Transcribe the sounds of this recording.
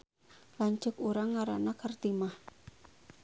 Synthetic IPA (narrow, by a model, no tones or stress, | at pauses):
laɲt͡ʃʊkuɾaŋːaɾa̰nakʰərt̪imah